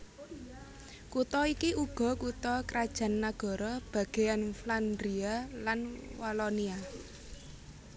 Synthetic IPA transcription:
kut̪ɔikiʔuɡ̥ɔ̤kut̪ɔkɾad̥ʒ̥a̤nːaɡ̥ɔ̤ɾɔb̥ä̤ɡ̥e̤anfland̪ɾialanwalɔnia

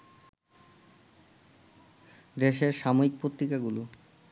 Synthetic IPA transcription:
d̪eʃeɾʃamoɾik̚pot̪ːɾikaɡulu

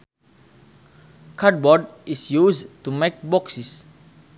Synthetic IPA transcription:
kʰad̚bɔdisjustumek̚bɔksis

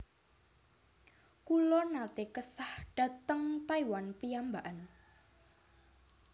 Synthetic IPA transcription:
kulɔnat̪ekəsahɖ̥a̤t̪əŋt̪aiwanpiambaʔan

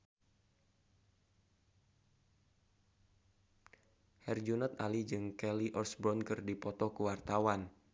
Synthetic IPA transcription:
hɛrd͡ʒunɔt̪̚alid͡ʒɨŋkɛliʔɔrsbɾɔnkɨrdipɔt̪ɔkuwart̪awan

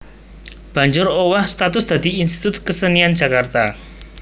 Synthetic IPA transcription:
b̥a̤ɲd͡ʒʊɾowahst̪at̪ʊsd̪̥ä̤d̪̥iinst̪i̥t̪ʊt̪̚kəsəniand͡ʒʒ̥a̤kart̪a

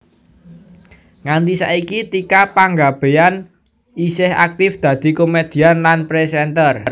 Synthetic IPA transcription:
ŋant̪isa̰ikit̪ikapaŋɡab̥e̤an | isɪha̰k̚t̪ɪfd̪̥ä̤d̪̥i̤komed̪̥i̤anlanpɾesɛnt̪ərr

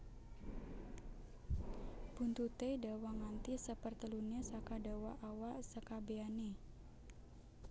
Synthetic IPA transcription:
b̥unt̪ut̪edawaŋant̪isəpərt̪əlunasakadawaʔawasəkabeani

